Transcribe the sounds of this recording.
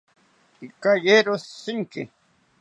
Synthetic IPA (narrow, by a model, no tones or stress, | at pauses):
ikajeɾossɪŋkɪ